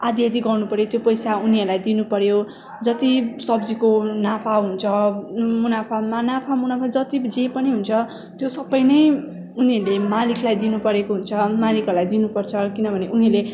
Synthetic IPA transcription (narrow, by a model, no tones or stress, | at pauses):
ad̪ijad̪iɡʌrnupʌɾjot̪jopʌjsauniʌɾlajd̪inupʌɾjo | d͡zʌt̪isʌbd͡zikonapʰaɦunt͡sʰʌmunapʰamanapʰamunapʰad͡zʌt̪id͡zepʌniɦunt͡sʰʌ | t̪josʌbʌjnʌj | uniʌɾlemalikʰlajd̪inupʌɾekoɦunt͡sʰʌmalikʌɾulajd̪inupʌrt͡sʰʌkinʌbʱʌneuniʌrle